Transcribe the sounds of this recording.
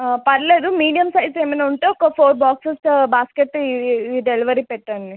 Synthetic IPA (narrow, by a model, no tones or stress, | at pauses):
pɐɾleːd̪umiːɖijɐmsɐjɖseːmɐnauɳʈeɔkɐpʰoːɾbaːksɐsbaːskeʈːiɖeliʋɐɾipeʈːanːi